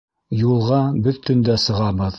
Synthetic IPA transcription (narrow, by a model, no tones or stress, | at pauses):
julˠʁɑbɵðt̪ɵ̆nd̪æsɤ̆ʁɑbɤð